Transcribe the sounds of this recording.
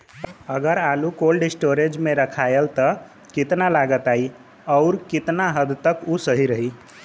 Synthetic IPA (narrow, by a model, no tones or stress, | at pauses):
əɡəɾalukolɖisʈoɾed͡ʒmeɾəkʰajelt̪ə | kit̪nalaɡət̪ai | ɔʊɾkit̪naɦəd̪t̪əkusəɦiɾəɦi